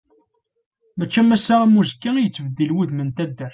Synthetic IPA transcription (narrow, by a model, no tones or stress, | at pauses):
mæt͡ʃːæmæsːææmuzkːæijət͡sːvəd̪ːilwuðmənt̪æd̪ːəɾ